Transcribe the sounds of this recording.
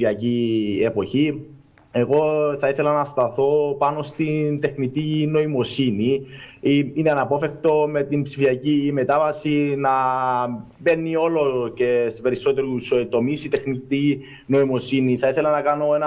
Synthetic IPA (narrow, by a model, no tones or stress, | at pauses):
iɐcie̞po̞çi | e̞ɣo̞θɐiθe̞lɐnɐst̪ɐθo̞pɐno̞st̪int̪e̞xnit̪ino̞imo̞siniiineɐnɐpo̞fe̞xt̪o̞me̞t̪impsifiɐcime̞t̪ɐvɐsinɐ | be̞nːio̞lo̞ce̞spe̞ɾiso̞t̪e̞ɾust̪o̞misit̪e̞xnit̪i | no̞imo̞siniθɐiθe̞lɐnɐkɐno̞e̞nɐ